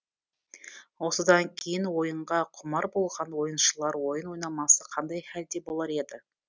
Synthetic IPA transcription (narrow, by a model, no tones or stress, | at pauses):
wo̞səd̪ɑŋkʲʰejɪnwo̞jəɴʁɑqʰʊmɑɾbo̞lˠʁɑnwo̞jənʃəlˠɑɾwo̞jənwo̞jnɑmɑsəqʰɑnd̪ɑjhæld̪e̞bo̞lˠɑɾe̞d̪ɪ